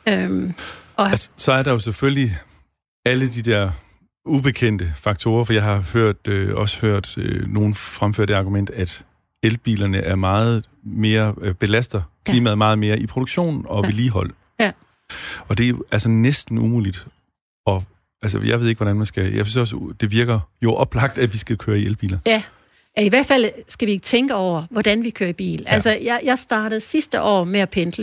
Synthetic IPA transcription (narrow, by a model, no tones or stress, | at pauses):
æsə̥sɒ̽æɐɾɑ̈jo̝sefølli | æləd̥id̥ɛɐ̰ | ub̥e̝kʰen̰d̥əfɑ̈ɡ̥̚t͡sʰo̝̰ːɐfɒ̽jɑ̈ɪɦɑ̈høɐ̰d̥øɒ̽sə̥høɐ̰d̥øno̝ːn̩fʁamføɐ̰d̥e̝ɑ̈ːɡ̥umen̰d̥æd̥ | elb̥ḭːlɐnəʔæɐmɑ̈ːð̞̩ˠ | me̝ːɐb̥e̝læsd̥ðkʰiːmæðˠmɑ̈ːð̩ˠme̝ːɐʔipʰʁoɾoɡ̥ɕo̝̰ːn̩ɒ̽ʋe̝liːɦɒ̽l̰ | ɒ̽d̥e̝ælsɐnesd̥n̩umṵːlid̥ | ɒ̽ | æls̬əjɑaɪʋe̝ð̞ˠeɡ̥ʋɒ̽ɾænmænsɡ̥æjɑ̰ɪsynsɒ̽sd̥e̝ʋiɐɡ̥ɐjo̝ʔɒ̽b̥lɑ̈ɡ̥̚d̥æ̥ʋisɡ̥ækʰøːɐielb̥ḭːlɐ | jæiʋæɐ̰d̥fæl̰sɡ̥æʋie̝ɡ̥ət͡sʰeŋɡ̥əɒʊ̰ɐʋɒd̥ænʋikʰøːɐib̥ḭːlʔælsəjɑjɑ̈ɪsd̥ɑ̈ːɾ̥əð̩ˠsisd̥əʔɒ̰ːmeæpʰend̥lə